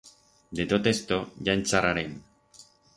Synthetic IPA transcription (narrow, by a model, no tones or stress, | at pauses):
d̪e̞t̪ot̪est̪oʝant͡sarʔaɾen